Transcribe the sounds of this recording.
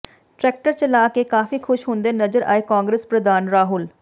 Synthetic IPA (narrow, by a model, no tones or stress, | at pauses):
ʈɾɛːk̚ʈəɾt͡ʃəlaːkeːkaːfiːkʰʊʃɦʊnd̪eːnəd͡ʒəɾʔa̰ːeːkãːŋɡɾespɾəd̪aːnɾaːɦʊl